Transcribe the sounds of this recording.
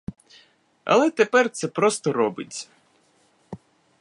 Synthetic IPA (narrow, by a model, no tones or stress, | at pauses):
ɐ̰lˠɛt̪epɛrt̪sɛpɾɔst̪ɔɾɔbɪ̰tʲt͡sʲːɐ̥